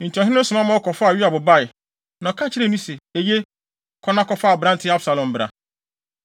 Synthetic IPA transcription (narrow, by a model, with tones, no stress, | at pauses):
n̩˨ti˨ɔ˨ɦɪ̃˦nʊ˦sʊ˨mã˦mã˦ɔ˦kɔ˨fa˨ɥi˦a˨bʊ˨ba˦ɪ˨ | nã˨kʰã˦t͡ɕʰɪ˦ɾe˦nũ˦se˨e˨je˦ | kʰɔ˦nã˦kɔ˨faː˦˨bɾa˦n̩˨tʰɪ˦a˦bsa˨lɔ̃˨m̩˨bɾa̰˨